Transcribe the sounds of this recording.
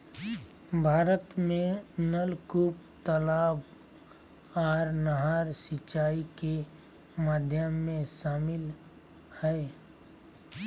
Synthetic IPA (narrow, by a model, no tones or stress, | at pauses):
bʱaːɾət̪mẽnəlkup | t̪əlaːb | aːɾnəɦaːɾsɪt͡ʃaːike | maːd̪ʱjəmːẽʃaːmɪl | hɛː